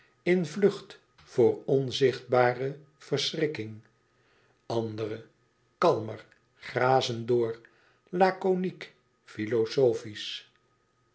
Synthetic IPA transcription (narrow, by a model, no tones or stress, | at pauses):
ɪnvlɵχt | fʊːrɔnzɪχd̚baːrə | v̥ərsrɪkɪŋ | ɑndərə | kɑlˠmər | χraːzəndʊːr | laːkonik | filosowfis